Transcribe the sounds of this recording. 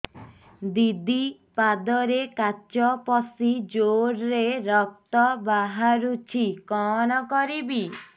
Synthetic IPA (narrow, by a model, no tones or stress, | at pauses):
d̪id̪i | pad̪ɔɾekat͡ʃɔpɔsid͡ʒoɾɾeɾɔk̚t̪ɔbaɦaɾut͡ʃʰikɔnɔkɔɾibi